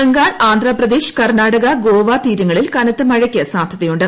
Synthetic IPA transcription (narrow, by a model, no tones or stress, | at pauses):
eŋɡaːɳaːnd̪ʱrɐprɐd̪eːɕu̥kɐrnaːɽɐɣɐɡoːʋaːt̪iːɾɐŋːɐɭilkɐnɐt̪ːɨmɐɻɐkʲːɐsaːbd̪ʱɐðɐjuɳɖɨ